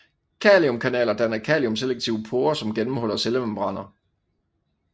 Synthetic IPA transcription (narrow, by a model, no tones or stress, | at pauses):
kʰɛːliɔ̽mkʰænɛ̰ːlɐd̥ænɐkʰɛːliɔ̽mseleɡ̚t͡sʰiʊəpʰo̝ːɐsɒ̽mɡ̥enm̩hɒ̽l̰ɐselemmb̥ʁɑ̈n̰ɐ